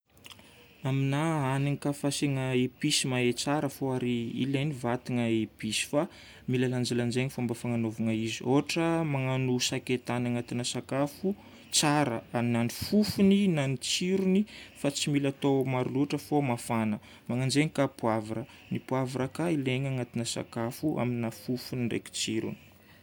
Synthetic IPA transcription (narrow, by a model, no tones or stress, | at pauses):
aminaaniŋikafaseŋaepisimaet͡saɾəfoaɾiḭlenivat̪iŋəepisi̥fa | milaland͡ʒaland͡ʒeɲifambafaŋanovaŋaizioʈ͡ʂəmaŋanusaket̪anaŋat̪inəsakafu | t͡saɾəaminanifufuninanit͡siɾunifat͡similat̪omaɾuluaʈ͡ʂəfomafanə | maŋand͡ʒeŋikapuavaɾə | nipuavaɾəkaileɲaŋat̪inəsa̰kafuʔa̰minafufunirḛki̥t͡siɾṵni̥